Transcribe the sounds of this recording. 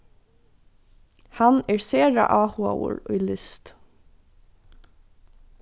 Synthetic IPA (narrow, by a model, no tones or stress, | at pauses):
hɑneːɹseːɹɑ̰ʔɑːhua̰ə̰ɹœːlɪst̪